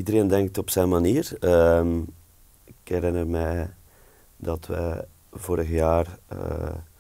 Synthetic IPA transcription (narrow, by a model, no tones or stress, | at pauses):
idəɾeːndɛŋk̚tɔpsɛjnmaniːrəm | ɪkɛɾɪnərmɛj | dɑtʋɛ̰ | voːɾəɣəjaːrə̰